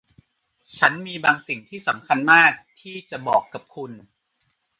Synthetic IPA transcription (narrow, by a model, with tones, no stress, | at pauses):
t͡ɕʰa˦˥nmiː˧baː˧ŋsi˨˩ŋt̪ʰiː˥˩sa˩˦mkʰa˧nmaː˥˩k̚t̪ʰiː˥˩t͡ɕa˨˩bɔː˨˩kːa˨˩p̚kʰu˧n